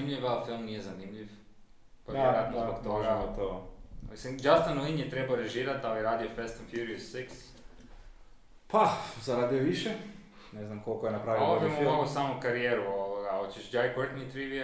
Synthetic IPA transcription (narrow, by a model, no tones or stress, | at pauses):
imʎiʋafilˠmnijezanimʎif | pooɾat̪nt̪oaɡot̪oomisind͡ʒast̪anlinjet̪ɾebaoɾeʒiːɾat̪ajiɾaːd̪iofest̪infjuɾiusːiks | pazaɾaːd̪ijoʋiʃe | neznamkolˠkojenapɾaːʋiobimooɡosaːmukaɾijeːɾuoʋoɡaot͡ɕeʃd͡ʒajkəɾt̪nit̪ɾiʋi